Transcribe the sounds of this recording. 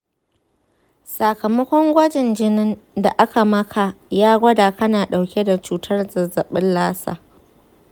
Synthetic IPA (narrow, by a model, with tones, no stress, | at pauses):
sɐ˨kɐ˨mɐ˦kʷɔ˦ŋɡʷɐ˦d͡ʒɪ˨nd͡ʒɪ˦nɪ˦nda˨ʔa˦ka˨mɐ˦kʰa˨jaː˦ɡʷɐ˦daː˨kɐ˦naː˨ɗa˨wkʲe˦da˨t͡ʃuː˨tʰɐ˦rzɐ˨zɐ˨ɓɪ˦nlaː˦sa̰ː˨